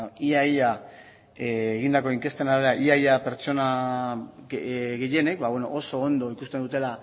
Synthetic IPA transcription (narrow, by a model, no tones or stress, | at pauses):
iaja | eːɣind̪ako̞iŋke̞st̪e̞naɾɾaʔiajape̞ɾt͡ʃo̞na | ɣeje̞ne̞k̚bawe̞no̞̰ʔoso̞ːnd̪o̞ikust̪end̪ut̪e̞la